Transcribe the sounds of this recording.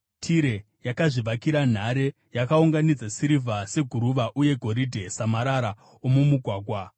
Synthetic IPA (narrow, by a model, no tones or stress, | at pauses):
tʰiɾe̞ | jakaʐiʋakiɾan̤aɾe̞ | jakauŋɡanid͡zasiɾivʱase̞ɡʱuɾuʋaʔuje̞ɡʱo̞ɾidʱe̞samaɾaɾa | omumuɡʱwaːɡʱwa